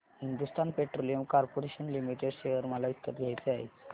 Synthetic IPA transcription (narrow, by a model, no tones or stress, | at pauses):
ɦind̪ust̪anpeʈɾolijəmkaɾpoɾeɕənlimiʈeɖɕejəɾməlait̪kːət̪ɡʱjajt͡seaɦḛ